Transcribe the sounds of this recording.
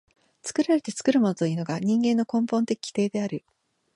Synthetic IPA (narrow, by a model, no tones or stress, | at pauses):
t͡sɨ̥kɯ̟ɾaɾe̞t̪e̞t͡sɨ̥kɯ̟ɾɯ̟monot̪o̞iːno̞ɡaɲ̟ĩŋɡẽnːo̞kõ̞mpõ̞nt̪ekʲʰi̥t̪e̞ːd̪e̞aɾɯ̟